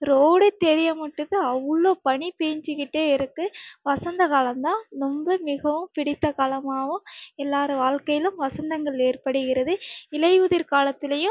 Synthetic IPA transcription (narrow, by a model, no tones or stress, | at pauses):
ɾoːɽet̪ːɛɾɪjɐmɐʈːɯðɯɐʋːɯɭːoːpɐɳipeːɲd͡ʒɯkɪʈːeːɪɾɯkːɯʋɐsɐnd̪ɐɣaːlɐmd̪ãːnɔmbɐmɪɣɐʋɯmpɪɽɪt̪ːɐkaːlɐmaːʋɯ̃ɛlːaːɾɯʋaːɻkɐjɪlɯmʋɐsɐnd̪ɐŋɡɐɭeːrpɐɽɯɣɪɾɐðɯɪlɐjuːðɪɾkaːlɐt̪ːɪlɐjɯ̃